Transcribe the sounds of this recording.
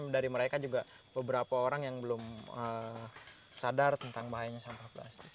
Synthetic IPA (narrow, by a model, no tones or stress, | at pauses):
daɾiməɾekad͡ʒuɡa | bəbəɾapaoɾaŋjaŋbəlʊmə | sadart̪ənt̪aŋbaɦajaɲasampahpla̰st̪ɪk